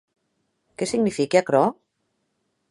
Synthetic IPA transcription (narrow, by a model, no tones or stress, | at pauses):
kɛsiɡnifikeakɾɔ